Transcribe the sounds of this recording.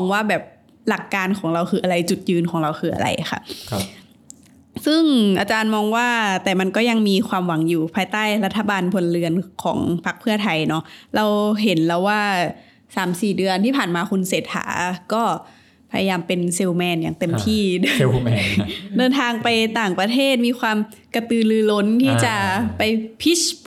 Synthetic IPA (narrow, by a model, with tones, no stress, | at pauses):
mɔː˧ŋwaː˥˩bɛː˨˩p̚ | la˨˩kːaː˧nkʰɔː˩˦ŋɾa˧wxʰɯː˧ʔa˧ɾa˧jt͡ɕu˨˩t̪̚jɯː˧nkʰɔː˩˦ŋɾa˧wkʰɯː˧ʔa̰˧ɾa̰˧jxʰa̰˥˩p̚ʰ | sɯ˥˩ŋʔa̰ː˧˩t͡ɕaː˧nmɔː˧ŋwaː˥˩t̪ɛː˨˩ma˧nkɔː˥˩ja˧ŋmiː˧kʰwaː˧mwa˨˩˦ŋjuː˨˩pʰaː˧jt̪aː˥˩jla˦˥t̪ʰːa˧baː˧npʰo˧nlɯ˧ənkʰɔ̰ː˩˦ŋpʰa˦˥k̚pʰɯ˥˩ɐt̪ʰa˧jnɔ˦˥˩ɾa˧wɦe˩˦nlɛː˧˩wːaː˥˩ | saː˩˦msiː˨˩dɯ˧ənt̪ʰiː˥˩pʰaː˨˩nmaː˧kʰu˧nseː˨˩t̪̚ha̰ː˩˦kɔː˥˩ | pʰa̰˧ja˧jaː˧mpe˧nse˧wmɛː˧njaː˨˩ŋt̪e˧mt̪ʰiː˥˩˧ | dɤː˧nt̪ʰaː˧ŋpa˧jt̪aː˨˩ŋpɾa˧t̪ʰeː˥˩t̪̚miː˧kʰwaː˧m | ka˧t̪ɯː˧lɯː˧lo˦˥nt̪ʰiː˥˩t͡ɕa˨˩pa˧jpʰi˦˥ɕ